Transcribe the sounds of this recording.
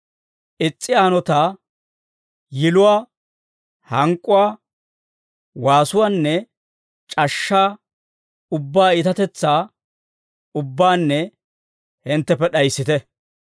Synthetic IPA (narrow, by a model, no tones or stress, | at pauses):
ʔɪt͡sʼːɪaːnɔt̪aː | jɪlʊwaː | hɐŋkʼːʊwaː | waːsʊwanːɛ | t͡ʃʼɐʃːaː | ʊbːaːɪt̪ɐt̪ɛt͡sːaː | ʊbːaːnːɛ | hɪnt̪ːɛpːɛɗɐjsːɪt̪ɛ